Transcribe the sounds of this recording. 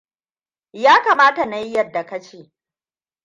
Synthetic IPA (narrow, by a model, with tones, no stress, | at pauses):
jaː˦kaː˨maː˦ta˨na˨ji˦jɐ˦dːa˨ka˦t͡ʃeː˦˨